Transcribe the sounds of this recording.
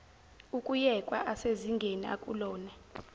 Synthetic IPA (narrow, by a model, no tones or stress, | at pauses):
ukʼujɛkʼwa̰ʔaseziŋɡʱenia̰kʼṵlɔːnɛ